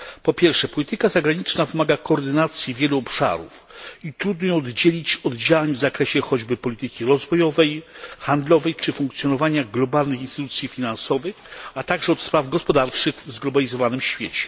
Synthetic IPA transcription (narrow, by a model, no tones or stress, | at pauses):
pɔpʲjɛɾfʂɛpɔlʲit̪ɘkazaɡɾaɲit͡ʂnavɘmaɡakɔːɾd̪ɘnat̪sʲjivʲjɛluɔpʂa̰ɾṵfit̪ɾud̪nɔjɛɔd̪d͡ʑelʲit͡ɕɔd̪d͡ʑawaɲvzakɾɛɕɛxɔd͡ʑbɘpɔlʲit̪ɘkʲiɾɔzvɔjɔvɛjxand̪lɔvɛjt͡ʂɘfũŋkt̪sʲjɔnɔvaɲaɡlɔbalnɨxinst̪t̪ut̪sʲjifʲinansɔvɘxat̪aɡʐɛɔt̪spɾavɡɔspɔd̪aɾt͡ʂɘxzɡlɔbalʲizɔvanɘmɕfʲjet͡ɕɛ̥